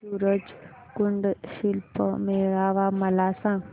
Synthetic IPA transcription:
suːɾəd͡ʒ | kʊɳɖʃɪlpmeːɾaːʋamɐlaːsãː

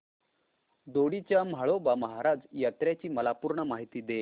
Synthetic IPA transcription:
d̪oɽit͡ɕjam̤aɭobaməɦaɾad͡zjat̪ɾjat͡ɕiːməlapuɾɳəmaɦit̪iːd̪e

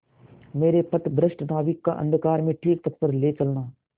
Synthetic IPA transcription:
meːɾepɐt̪bɾəʃʈnaːʋɪkːaʔə̰̃nd̪ʱkaːɾmẽʈʰiːk̚p̪ɐt̪̚pəɾleːt͡ʃɐlnaː

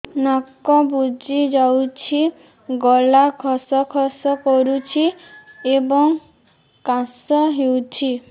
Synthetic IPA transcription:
nakɔbud͡ʒid͡ʒawt͡ʃʰi | ɡɔlakʰɔsɔkʰɔsɔkɔɾut͡ʃʰiebɔŋ | kãsɔɦewt͡ʃʰi

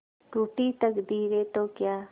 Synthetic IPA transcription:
ʈuːʈit̪əkd̪iːɾeːt̪oːkjaː

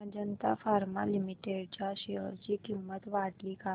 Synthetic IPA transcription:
d͡ʑənt̪afaɾmalimiʈeɽt͡ɕjaɕeɦəɾt͡ɕiːkimːət̪ʋaʈliːka

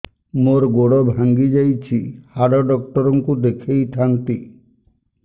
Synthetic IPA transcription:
moɾɡoɽɔbʱaŋɡid͡ʒajt͡ʃʰihaɽɔɖɔk̚ʈɔɾɔŋkud̪ekʰejʈʰant̪i

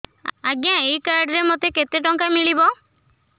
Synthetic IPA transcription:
aɡjãeikaɾɖɾemot̪eket̪eʈɔŋkamiɭibɔ

